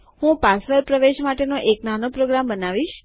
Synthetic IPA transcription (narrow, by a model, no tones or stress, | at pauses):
ɦũpasʋəɾpɾəʋeʃmaʈenoʔeknanopɾoɡɾambənaʋiʃ